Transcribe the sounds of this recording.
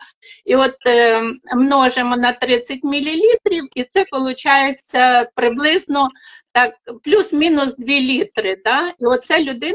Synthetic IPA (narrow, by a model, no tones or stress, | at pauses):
iɔt̪ | mnɔʒemɔnɐt̪ɾɪt͡sʲɐtʲmʲilʲilʲit̪ɾʲiwit̪sɛpɔlˠʊt͡ʃɑjet͡sʲːɐpɾɪblˠɪznɔt̪ɑk̚plʲusmʲinʊsd̪ʋʲilʲit̪ɾɪd̪ɑiɔt̪sɛlʲʊd̪ɪ